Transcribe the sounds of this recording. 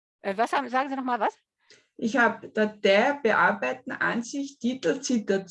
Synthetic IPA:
ʔɛvashaːbm̩zaːɡŋ̩ziːnɔχmaːlvas | ʔɪçhaːb̚d̥ad̪̥ɛb̥əʔaɐbæɪtn̩ʔa̰nsɪçtitl̩t͡sitɐt͡s

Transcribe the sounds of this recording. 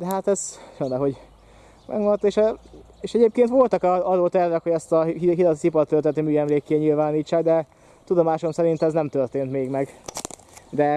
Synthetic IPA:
d̪ɛɦat̪ɛzfønɛɦo̞ɟ | mʔɛ̰ɡmont̪eːʃɛ | eːʃɛɟeːp̚keːnt̪ʋo̞lt̪ɒkɒɒɾoːt̪ɛrvɛkho̞ɟɛst̪ɒɦid̪ɒt̪sipɒrt̪ːølt̪ɛt̪ːøːmyːɛmleːkːeːɲilvaːniːt͡ʃːaːɡd̪ɛ | t̪ud̪o̞maːʃo̞msɛɾint̪ɛznɛmt̪ørt̪eːnt̪meːɡmɛɡ | d̪ɛ

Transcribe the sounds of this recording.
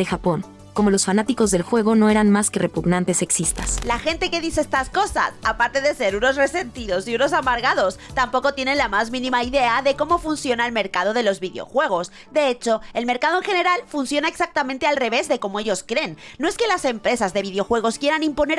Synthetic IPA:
exapo̞ŋ | ko̞mo̞lo̞sfanat̪iko̞zðe̞lxwe̞ɣ̞o̞no̞e̞ɾanmaskerepuɣnant̪e̞se̞ksist̪aslaxe̞nt̪e̞ke̞ðise̞est̪asko̞sa̰sapaɾt̪e̞ðe̞se̞ɾuno̞sre̞se̞nt̪iðo̞siuno̞s̬amaɾɣaðo̞st̪ampo̞ko̞t̪je̞ne̞nlamazmĩnĩmaiðe̞aðe̞ko̞mo̞funsjo̞naelme̞ɾkað̞o̞ð̞e̞lo̞zβiðeo̞̰xwe̞ɣ̞o̞s | d̪e̞et͡ʃo̞e̞lme̞ɾkaðoŋxe̞ne̞ɾalfunsjo̞naeksak̚t̪amẽnt̪e̞alre̞βe̞zðe̞ko̞mo̞e̞ʝo̞skɾe̞nːoeske̞lase̞mpɾe̞sazðe̞βiðeo̞xwe̞ɣ̞o̞skje̞ɾanĩmpo̞ne̞

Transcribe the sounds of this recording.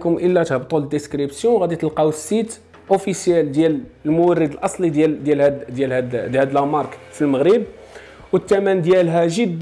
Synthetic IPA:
kʊmʔəlːæt̪həbt̪ˤuld̪ːəskɾibsjɔ̃wɣæd̪it̪əlqɑwəsːit̪ | ʔofisjæld̪jæləlmʊwərːəd̪əlʔɑsˤlid̪æld̪jælhæd̪jælhæd̪hæd̪əlæmɑɾˤkfilməɣɾəb | wət̪ːæmænd̪jælɦæʒəd̪ː

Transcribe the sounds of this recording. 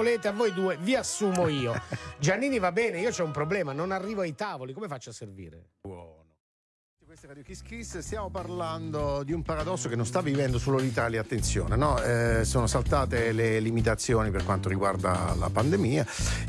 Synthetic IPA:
oleːt̪eavːoːjd̪uːeviasːuːmoiːod͡ʒanːiːnivabːɛːneiːot͡ʃɛumpɾoblɛːmanonarːiːvoajt̪aːvolikomefat͡ʃːaservḭːɾḛ | wɔːno | f | at̪ːikwest̪eɾad̪jok̟iskɾisːest̪jaːmoparland̪od̪iumpaɾad̪ɔsːokenːõnst̪avːivɛnd̪osoːlolit̪aːljaːt̪ːent̪sjo̰ːnenɔɛsoːnosalt̪aːt̪elelimit̪at̪sːjoːniperkwant̪oɾiɡward̪a̰la̰pand̪emiːa

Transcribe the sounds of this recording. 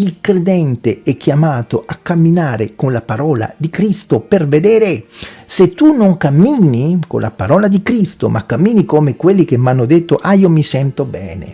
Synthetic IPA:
ilkɾed̪ɛnt̪eɛk̟ːjamaːt̪oakːamːinaːɾekonlapaɾɔːla̰d̪ikɾist̪operved̪ɛːɾeset̪ːunoŋkamːiːniko̰nlʔa̰paɾɔːlad̪ikɾist̪o̰mʔa̰kːamːiːnikomekwelːik̟emːanːod̪et̪ːoʔajomisɛnt̪obɛ̰ːnḛ

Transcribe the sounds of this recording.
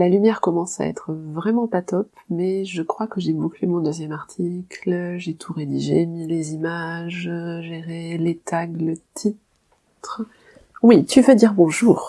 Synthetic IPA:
lalymjɛʁkɔmɑ̃sa̰ɛ̰t̪χəvʁɛmɑ̃pat̪ɔpmɛʒəkχwakəʒɛbuklemɔ̃d̪øzjɛmaʁt̪ʰiklʒet̪ʰuʁed̪iʒḛmilezimaʒʒeʁelet̪ʰaɡlət̪ʰit̪ | χə | wit̪yvød̪iʁbɔ̃ʒuːʁ

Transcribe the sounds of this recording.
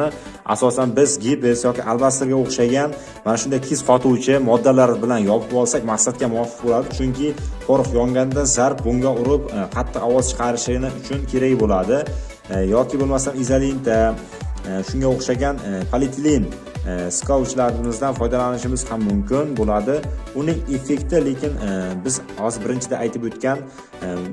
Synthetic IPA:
ɪ | a̰sɒsanbɪzɡʲipɪsjɒkʲɪʔalˠbast̪ɾɡʲaoχʃaɡʲan | manaʃʊnd̪ajt̪ʰezqʰɒt̪ʰʊwt͡ʃʰɪmɒd̪ːalaɾbɪlanjɒpʰʊpɒlˠsakʲmaqsat̪̚kʲamʊɒfːɨ̥qbolad̪ɪt͡ʃʰʊŋkʲʰɪfʰɒɾɨqjɒŋɡʲand̪azaɾp̚bʊŋɡʲaʊɾɪpqʰɑt̪ʰːɨqɒwɒzt͡ʃʰɨ̥qʰɑɾɪʃlɪɡʲɪnɪʊt͡ʃʰʊnkʲʰe̞ɾakbolad̪ɪ | jɒkʲʰɪbolˠmast̪anizalint̪ʰa | ʃʊŋɡʲaoχʃaɡʲanpʰalɪt̪lin | skʰawt͡ʃlaɾɪmɪzd̪anfɒjd̪alanɪʃɪmɪz̥hamːʊmkʲʰɪnbolad̪ɪʊnɪŋe̞fe̞kʲt̪ɪle̞kʲɪnbɪzɒzbɪɾɪnt͡ʃʰɪd̪aʔːjt̪ʰɪpot̪kʲan

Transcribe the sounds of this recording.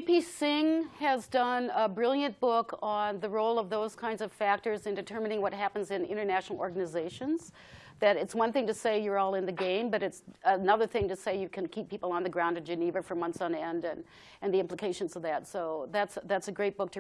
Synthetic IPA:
pisɪ̃ŋɨzdʌ̃nəbɹɪlˠjɨ̃nb̥ʊkʰn̩ðɨɹoʊlˠʌvðoʊz̥kʰãɪ̃ndzʌv̥fæk̚tə˞zɨ̃ndɨtʰɜ˞mɨnɪ̃ŋwʌt̚ɦæpɨ̃n̩zɨ̃nɪ̰̃ɾ̃ə˞næʃnl̩ˠɔɹɡɨnɨzeɪʃɨ̃nz̥ | ðɨɾɨtswʌ̃nθɪ̃ŋtɨseɪjə˞ɔlˠɨ̃nðɨɡẽɪ̃mbʌɾɨtsənʌðə˞θɪ̃ŋtɨseɪjɨkʰɨ̃nkʰipʰːipl̩ˠə̃nðɨɡɹãʊ̃ndɨd͡ʒɨnivɨfə˞mʌ̃nθsn̩iɛ̃ndɨ̃n | ɨ̃nðiɪ̃mpləkʰeɪʃɨ̃nzʌvðɨtsoʊðætsðætsɨɡɹeɪt̚b̥ʊk̚tʰɨ

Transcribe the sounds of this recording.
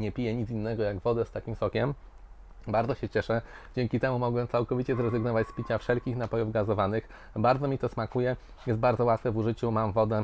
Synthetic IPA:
ɲɛpʲijɛɲit̪sinːɛɡɔjaɡvɔd̪ɛst̪akʲimsɔkʲɛm | baɾd̪ɔɕɛt͡ɕɛʂɛ | d͡ʑɛŋkʲit̪ɛmumɔɡwɛt̪sawkɔvʲit͡ɕɛzɾɛzɘɡnɔvat͡ɕspʲit͡ɕafʂɛlkʲixnapɔjuvɡazɔvanɘx | baɾd̪ɔmʲit̪ɔsmakujɛ | jɛst̪̚baɾd̪zɔwat̪fɛvuʐɘt͡ɕumamvɔd̪ɛ

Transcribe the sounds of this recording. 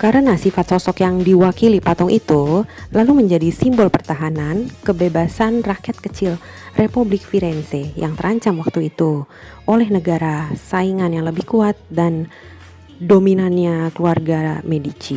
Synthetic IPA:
kaɾənasifat̪̚sɔsɔkjaŋdiwakilipat̪ɔŋʔit̪ulaluməɲd͡ʒadisimbɔlpərt̪aɦanankəbebasanrakɛt̪̚kət͡ʃɪl | rʔepublɪk̚fiɾɛnsejaŋt̪əɾʔaɲt͡ʃamwak̚t̪uit̪u | olɛhnəɡaɾasaiŋanjaŋləbɪhkuat̪̚dan | dominanɲakəluarɡamedit͡ʃi

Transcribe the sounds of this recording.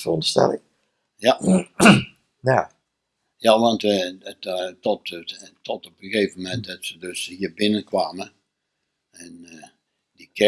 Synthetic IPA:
əɔndəstɛ̰lɪ̰ŋ | ja | na | jaʋɑntəttɔttʰɔtɔpəɣeːvəmɛntdɔtsədøshiːərbɪnənkʰʋaːmə | ɛn | dikʰɛ

